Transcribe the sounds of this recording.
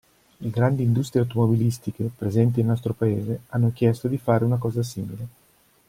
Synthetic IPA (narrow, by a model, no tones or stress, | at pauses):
leɡɾand̪iːnd̪ust̪ɾieawt̪omobilist̪ikepɾezɛnt̪̬inelnɔst̪ɾopaeːzeanːok̟jɛst̪od̪ifaːɾeunakɔːzasiːmile